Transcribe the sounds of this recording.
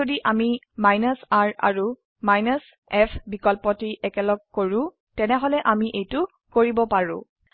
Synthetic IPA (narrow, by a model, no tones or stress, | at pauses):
odiʔami | majnasaɹa̰ɹu | majnas | ɛpʰbikɔlpɔtiʔɛkɛlɔɡ̚koɹʊ̃ | tɛnɛɦɔlɛʔamiʔejtʊ | koɹibɔpaɹʊ̰̃